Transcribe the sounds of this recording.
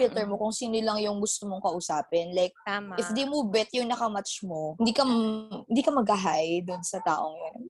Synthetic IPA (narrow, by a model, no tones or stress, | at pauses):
ɪlt̪ɛɹmokʊŋsiːnʊlɐŋjʊŋɡʊst̪omoŋkɐʔʊsaːpɛnlajk̚t̪aʔɪfd̪emuːbɛt̪̚jʊŋnɐkɐmat͡ʃmo̞ɪnd̪iːkɐmɪnd̪iːkɐmɐɡɐɦajd̪ʊnsɐt̪aːʔo̞ŋjon